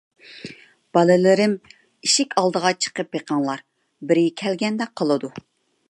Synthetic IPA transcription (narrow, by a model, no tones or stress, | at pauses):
b̥ɑlɪlɪɾɪm | iʃɪkʲʰɑlˠd̪əʁɑt͡ʃʰə̥qəpjeqʰɑŋlˠɑɾ | bɪɾɪkʲʰɛlɡʲɛnd̪ɛqʰːəlˠɨd̪u